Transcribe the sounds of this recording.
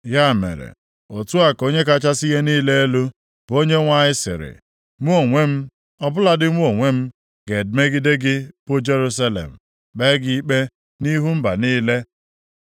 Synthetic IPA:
ja˦˨mḛ˨ɾḛ˨ | o˨tu˦a˨ko˦ɲe˦ka˦t͡ʃa˦si˦ɣe˦niː˦le˦e˦lu˦ | b̥o˦ɲe˦ŋʷa˦ɲɪ˦sɪ̰˨ɾɪ̰˨ | ŋʷu˦o˨ŋʷe˦m̩˦ | ɔ˦bʊ˦la˦dɪ˦ŋʷu˦o˨ŋʷe˦m̩˦ | ɡe˨dme˦ɡɪ˦de˦ɡɪ˦pʊ˦d͡ʒe˦ɾu˦s̬a˦lḛ˨m̩˨ | be˦ɡi˦k͡pe˦ | ni˦ɦu˦m̩˦ba̰˨niː˦le˦

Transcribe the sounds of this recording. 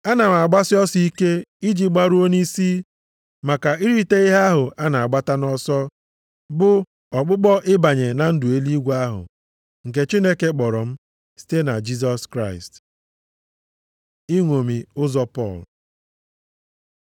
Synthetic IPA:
a˦na˨m˨a˨ɡ͡ba˦sɪ˦ɔ˦si˦i˦ke˦i˦d͡ʒi˨ɡ͡ba˦ɾu˦o˦ni˦si˦ | ma˨ka˨i˦ɾi˦te˦i˦ɦa˦ɦʊ˨a˦na˨a˨ɡ͡ba˦ta˦nɔ˦sɔ˦ | bʊ˨ | ɔ˨k͡pʊ˦k͡pɔ˦ʔɪ˦ba˨ɲe˨na˨n̩˦dʊ˨e˦li˦ɡʷa˦ɦʊ̰˨ | ŋ̩˨k̬e˨t͡ʃi˦ne˦ke˦k͡pɔ˨ɾɔ˨m̩˦ | si̥˦te˦na˨d͡ʒi˦s̬ɔ˦skɾa˦ɪ˨st | i˦ŋʷo˨mi˨ʊ˦zɔ˦pɔ̰˦˨l

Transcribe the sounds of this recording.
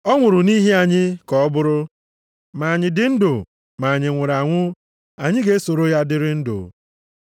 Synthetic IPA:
ɔ˦ŋʷʊ˨ɾʊ˨ni˦ɦe˦a˨ɲɪ˦kɔ˨ɔ˦bʊ˦ɾʊ˦ | ma˨ɲɪ˨dɪ˨n̩˦dʊ˨ | ma˨ɲɪ˨ŋʷʊ˨ɾa˨ŋʷʊ˦ | a˨ɲɪ˦ɡe˦e˦so˨ɾo˦ja˦dɪ˦ɾɪ˦n̩˦dʊ̰˨

